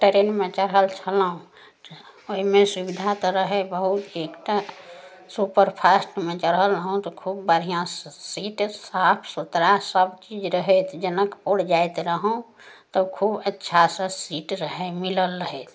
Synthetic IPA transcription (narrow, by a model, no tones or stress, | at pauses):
ʈəɾenmẽt͡ʃəɾɦəlt͡ʃʰəlɦũ | oimẽsibid̪ʱat̪ɔɾəɦebəɦut̪ekʈa | supəɾpʰasʈmẽt͡ʃəɾɦəlɾəɦũt̪ɔkʰubːəɾ̤ijãssiʈsapʰsut̪ɾasəbt͡ʃid͡ʒɾəɦɛt̪d͡ʒənəkpoɽd͡ʒaet̪ɾəɦũ | t̪ɔkʰubətːʃʰasəsiʈɾəɦemiləlːəɦɛt̪ʰ